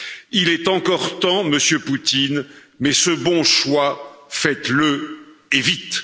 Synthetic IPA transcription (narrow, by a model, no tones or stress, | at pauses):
ilɛt̪ɑ̃kɔʁt̪ɑ̃məsjøput̪in | mɛsəbɔ̃ʃwafɛt̪ləevit̪